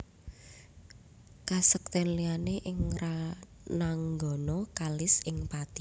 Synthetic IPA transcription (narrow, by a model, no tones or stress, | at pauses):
kasək̚t̪ɛnlianeʔɪŋranaŋɡɔ̤nɔkalɪsɪŋpat̪i